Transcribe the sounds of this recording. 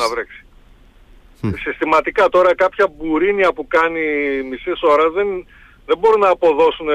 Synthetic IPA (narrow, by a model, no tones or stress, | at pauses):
nɐvɾeksi̥ | sist̪imɐt̪ikɐt̪o̞ɾɐkɐpçɐbuɾiniɐpukɐnimisiso̞ɾɐzðen | ðebo̞ɾinɐːpo̞ðo̞sun